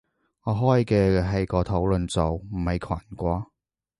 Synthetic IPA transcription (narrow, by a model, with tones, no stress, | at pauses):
ŋɔː˨˧ɦɔː˨˥jkɛː˧ɦɐ˨jkɔː˧t̪ʰo˨˥wlɵ˨nt͡so˨wm̩˨˩hɐ˨jkʰaː˨˩nkʷɔː˧˥